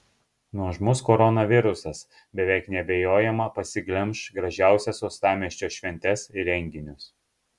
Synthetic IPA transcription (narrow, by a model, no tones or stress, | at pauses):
nuɔʒmʊskɔɾɔnɐʋʲɪɾʊsɐs | bʲɛʋʲɛˑɪknʲɛbʲɛjoːjɛmɐpɐsʲɪɡlʲɛmˑʃɡɾɐʒʲæˑʊsʲɛsoːst̪ɑːmʲiɛʃʲt͡ʃʲoːʃʲʋʲɛnʲt̪ʲɛsɪɾʲɛŋʲɡʲɪnʲʊs